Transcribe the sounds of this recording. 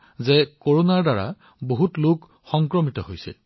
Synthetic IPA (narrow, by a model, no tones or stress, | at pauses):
zɛkoɹonaɹdaɹa̰ | boɦutluk | xɔŋkɹɔmitɔɦojsɛ̰